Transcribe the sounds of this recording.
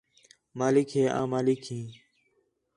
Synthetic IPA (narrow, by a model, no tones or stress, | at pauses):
maːlɪkɦeːʔã̰ːmaːlɪkhĩː